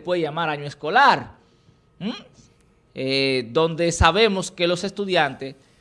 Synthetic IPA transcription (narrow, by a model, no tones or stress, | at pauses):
pweðeʝamaɾaɲoesko̞laɾ̩ | ed̪õ̞nd̪e̞saβe̞mo̞ske̞lo̞se̞st̪uðjant̪es